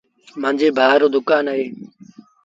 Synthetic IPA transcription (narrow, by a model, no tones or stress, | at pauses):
mãːnd͡ʒeːbʱaːɾoːd̪ʊkaːnəɦeː